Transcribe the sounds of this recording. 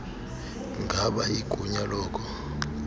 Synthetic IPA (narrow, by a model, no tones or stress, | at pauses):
ŋɡʱaɓaiɡ̥ʱuɲalɔːkʰɔ